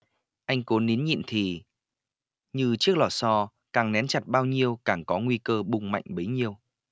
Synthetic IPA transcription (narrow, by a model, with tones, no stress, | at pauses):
ʔa˧jŋ̟ko˨˦nːi˨˦nɲḭ˧˨nt̪ʰi˨˩ | ɲɨ˧t͡ɕɨ˦˥ək̚lɔ˧˩sɔ˧ | kaː˨˩ŋnɛ˨˦nt͡ɕa˨˩t̚ɓaː˧wɲi˧əwkaː˧˩ŋkɔ˨˦ŋwi˧kəː˧ɓʊ˨˧˩ŋ͡mma̰˧˨jŋ̟ɓə˨˦jɲi˧əw